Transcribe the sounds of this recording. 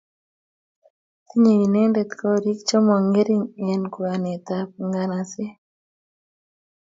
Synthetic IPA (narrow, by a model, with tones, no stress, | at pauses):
t̪i˦ɲe˨i˨nɛ˦nde˨t̪kɔ˦ɾi˦kt͡ʃɔ˦mɔ˨ŋɡe˦ɾi˦ŋɛ˨nku˨a˨nɛ˨t̪a˦pŋɡa˦na˨sɛ˦